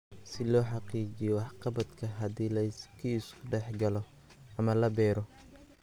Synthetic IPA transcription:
sɪlɔːħɑqiːt͡ʃɪjɔwɑħqɑbɐd̪kʰɐɦɐd̪iːlɐskʰiɪskʰʊɖɛħɡɐlɔ | ʔɐmɐlɐbɛːɾɔ

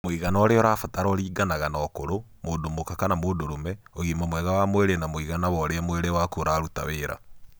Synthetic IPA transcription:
moiɣanaɔɾeɔɾaːfataɾɔɾiːɡanaɣanaːkoɾo | moːndomokakanamoːndoɾomɛoɣimamwɛɣawamoeɾenamoiɣanawɔɾeɛmweɾewakoɾaːɾuta̰weɾa̰

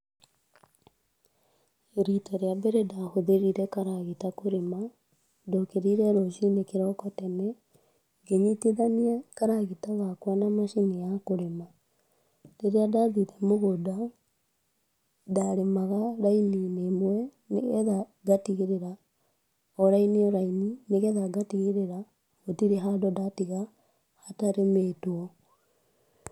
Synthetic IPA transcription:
ɾitɔɾeabɛɾɛdahoðeɾiɾɛkaɾaɣitakoɾema | dokeɾiɾɛɾoʃinekeɾɔkɔtɛnɛ | ɡeɲitiðaniɛkaɾaɣetaɣakwanamaʃinijakoɾema | ɾeɾeadaðiɾɛmoɣoda | daɾemaɣaɾaininemwɛ | neɣɛðaɡatiɣeɾeɾa | ɔɾainiɔɾainineɣɛðaɡatiɣeɾeɾa | otiɾeɦadɔdatiɣa | hataɾemeːtwɔ

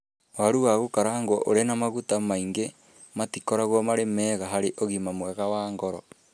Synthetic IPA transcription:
waɾuɣaɣokaɾaŋɡwoʔoɾenamaɣutamaiŋɡe | matikoɾaɣɔmaɾemɛːɣaɦaɾeʔoɣimamwɛɣawaːŋɡɔɾɔ

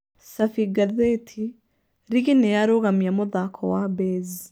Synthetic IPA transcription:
safiɡaðetʰi | ɾiɣinɛjaɾoɣamjamoðakʰɔwabeːzi

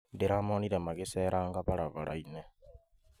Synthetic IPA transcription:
deɾaːmoːniɾemaɣeseːɾʔaːŋɡaβaɾaβaɾa̰ine

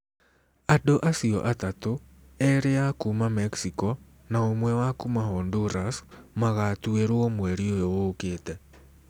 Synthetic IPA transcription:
adoʔasiɔ̰ʔatato | ɛɾeakumamɛksikɔ | naomwɛwakumahɔnduɾasmaɣatueɾoomwɛɾiojowoːkeːtɛ

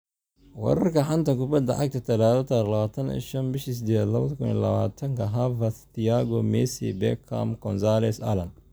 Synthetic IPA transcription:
wɑ̰ɾɐrkɐħant̪ɐkʊbɐd̪ɐ̰ʕa̰ɡ̚t̪ʰɐt̪ʰɐlaːðɔt̪ʰɐɾlɐβaːt̪ʰɐnḭʃɐnbɪʃis̬ɪd̪ɛd̪lɐβɐðkʰʊnḭlɐ̰βa̰ːt̪ʰɐŋkʰɐɦavɐst̪iaɡɔmɛsḭbɛkʰːa̰mkʰɔnsalɛsɐ̰lɐn

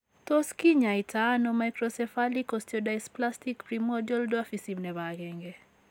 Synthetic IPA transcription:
toskiɲaitʰanomajkɾɔsɛfalikɔstjɔdajsplastikpɾimɔdiɔldoafisimnɛβaɡɛŋɡɛ

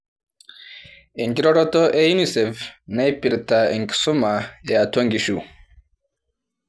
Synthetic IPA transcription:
eŋɡiɾɔɾɔtɔʔejunisɛfnapiɾtaɛŋki̥sumaeataŋɡiʃu

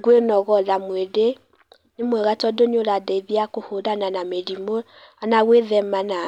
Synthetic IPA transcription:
ɡwenɔɣɔðamwede | nemwɛɣatɔdoɲoɾadɛiðiakohodananameɾimo | anaɣweðɛmana

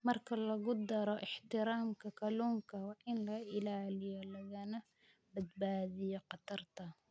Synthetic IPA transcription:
mɐrkʰɐlɐɣʊd̪ɐɾɔʔɪħt̪ɪɾaːmkʰɐkʰɐluːŋkʰɐwɑːʔɪnlɐɪlaːlɪjɔlɐɣɐnɐ | bɐd̪baːðɪjɔqɑt̪ʰɐrt̪ʰɐ

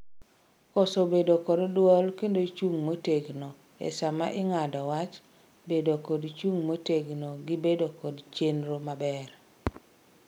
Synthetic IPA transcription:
kɔsobedokɔddwɔlkendoit͡ʃuŋmoteɡnɔ | ɛ̰sama̰ʔɪŋadɔwat͡ʃ | bedokodt͡ʃuŋmoteɡnoɡɪbedokodt͡ʃenɾomabɛr

